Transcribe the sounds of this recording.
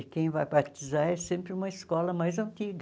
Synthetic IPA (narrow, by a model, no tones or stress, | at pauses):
kẽj̃vajpaɾt̪izaɾɛsẽmpɾɪũmɐɪskɔlɐmajzɐ̃nt̪iɡ